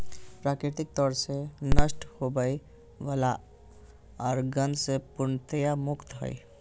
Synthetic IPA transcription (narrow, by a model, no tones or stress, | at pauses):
pɾaːkɾɪt̪ɪk̚t̪ɔɾsenəsʈhobəi | ʋəla | ɔɾɡənsepʊɾnt̪əjamʊkt̪ɦə̰ḭ